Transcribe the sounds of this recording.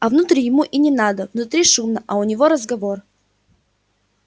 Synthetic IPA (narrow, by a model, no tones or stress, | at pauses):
ɐvnʊt̪ɾʲijɪmuʔinʲɪnad̪əvnʊt̪ɾʲiʂumnəʔɐʊnʲɪvoɾəzɡɐvo̞r